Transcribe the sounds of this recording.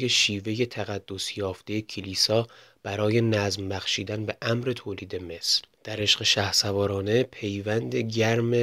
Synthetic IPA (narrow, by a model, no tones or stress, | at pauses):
je̞ʃiːve̞je̞t̪ʰæɣæd̪̥ːo̞sjɒːft̪e̞jecʰiliːsɒː | b̥æɾɒːje̞næzmbæxʃiːd̪ænbe̞ʔæmɾe̞t̪ʰoːliːd̪e̞me̞sld̪̥æɾe̞ʃɢe̞ʃæhsævɒːɾɒːne̞pʰe̞jvænd̪eɟæɾme